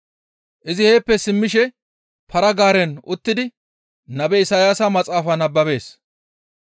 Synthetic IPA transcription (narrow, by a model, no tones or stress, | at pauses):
ʔɪzɪhe̞ːpːɛsɪmːɪʃɛ | pʰɐɾɐɡaːɾɛnʊt̪ːɪd̪ɪ | nɐbɛɪsajaːsɐmɐt͡sʼaːfɐnɐbːɐbe̞ːs